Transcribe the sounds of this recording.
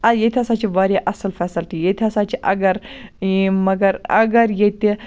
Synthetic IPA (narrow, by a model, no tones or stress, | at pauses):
ɐjet̪ʰʲiɐsaːt͡ʃʰiʋaɾʲaʔɐsɐlfɛːsɐlt̪ijet̪ʰiɐsaːt͡ʃiʔɐ̰ɡɐɾimɐɡɐɾɐ̰ɡɐɾjet̪ʲi